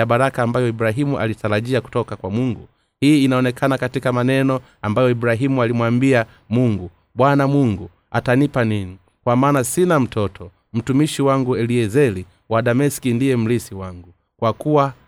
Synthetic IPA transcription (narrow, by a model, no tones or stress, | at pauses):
jaɓaɾakaːmbajɔiɓuɾaɦimuʔa̰litaɾaʄiaku̥tɔkakwamuŋɡu | hiːnaɔnɛkʰanakatikamanɛnɔ | ambajɔiɓuɾaɦimualimwambia | muŋɡu | ɓwanamuŋɡu | atanipanini | kwamaːnasinam̩tʰɔtʰɔ | m̩tumiʃiwaŋɡuɛliɛzɛli | waɗamɛsi̥kindijɛm̩lisiwaŋɡu | kwakuwa